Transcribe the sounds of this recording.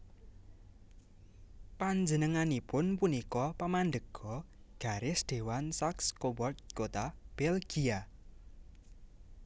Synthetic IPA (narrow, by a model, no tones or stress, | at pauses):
paɲd͡ʒənəŋanipʊnpunikɔpamanɖ̪əɡ̥ɔ | ɡ̥a̤ɾɪsd̪̥e̤wansakskobɔrt̪̚kot̪ab̥ɛlɡ̥ia